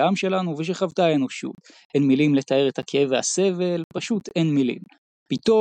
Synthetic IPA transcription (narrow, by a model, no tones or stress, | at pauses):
amʃe̞lanuveʃ̬eχavtaeno̞ʃṵt̪ | enmilimle̞t̪ae̞ʁet̪hakeeveha̰se̞ve̞lpaʃut̪e̞nmilḭm | pit̪o